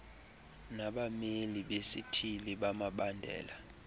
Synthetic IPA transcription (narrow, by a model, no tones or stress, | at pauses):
naɓameliɓesitʰiliɓamaɓandʱɛ̰ːla